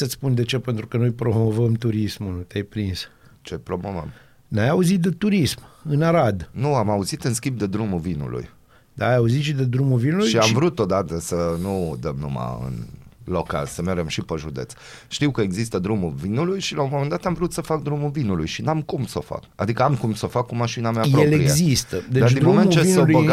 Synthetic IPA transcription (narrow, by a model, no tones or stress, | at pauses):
sət̪sʲpund̪e̞t͡ʃepent̪ɾukənojpɾomovəmt̪uɾismunut̪eajpɾins | t͡ʃepɾo̞mo̞və̰m | najauzit̪̚d̪et̪uɾismɨnaɾad̪nuamauzit̪ɨnskʲimb̚d̪e̞d̪ɾumuvinṵlṵj | d̪aːjauzit̪ʃid̪ed̪ɾumulvinulʃujiamvɾut̪ːot̪̚d̪at̪əsənud̪əmnuma̰ɨ̰nloka̰lsəmeɾd͡ʒemʃipəʒud̪e̞̰t̪s | ʃt̪iwkəeɡzist̪əd̪ɾumuvinulujʃilaumomend̪at̪amvɾut̪səfak̚d̪ɾumuvinulujʃinamkumso̞fa̰ka̰d̪ikəamkumsofakːumaʃinameajɾoeleɾiezist̪əd̪ed̪aɾdd̪inmoment͡ʃeseboa